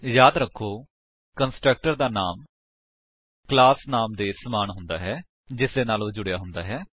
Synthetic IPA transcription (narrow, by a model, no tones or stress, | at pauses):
jaːd̪ɾəkʰːoː | kənsʈɾək̚ʈəɾd̪aːnaːm | klaːsnaːmd̪eːsəmaːnɦʊnd̪aːɦɛː | d͡ʒɪsd̪eːnaːlõːd͡ʒʊɽejaːɦʊnd̪a̰ːɦɛː